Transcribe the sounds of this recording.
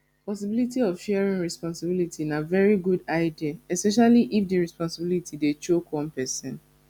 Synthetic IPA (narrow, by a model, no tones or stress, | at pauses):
pɔsibilitiɔvʃɛaɹĩŋɹispɔ̃nsibilitʰĩnavɛɹiɡudaɪdiaɛspɛʃaliʔifdiɹispɔ̃nsibilitʰidet͡ʃokwɔ̃npɛsɛ̃n